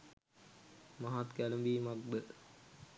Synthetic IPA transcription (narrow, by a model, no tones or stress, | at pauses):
maɦat̪ɡæləmbiːmaɡ̚bə